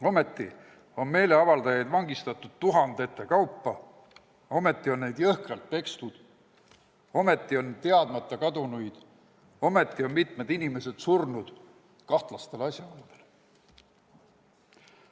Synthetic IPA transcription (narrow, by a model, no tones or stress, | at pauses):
o̞me̞t̪ːˑi | o̞nme̞ːle̞ɑvɑld̪ɑjɑjd̪vɑŋɡ̥ist̪ɑt̪ːˑud̪̥̚t̪uɦɑnd̪̥e̞t̪ːˑekɑwpˑːɑ | o̞me̞t̪ˑːio̞nːnejd̪̥jɤhkɑlt̪̚pe̞kst̪ud̪̥ | o̞me̞t̪ːˑio̞nt̪e̞ɑd̪̥mɑt̪ˑːɑkɑd̪unujd̪̥ | o̞me̞t̪ˑːio̞nmit̪ˑmed̪inime̞se̞d̪̥surnud̪̥ | kɑht̪lɑst̪e̞lɑsʲjɑold̪̥el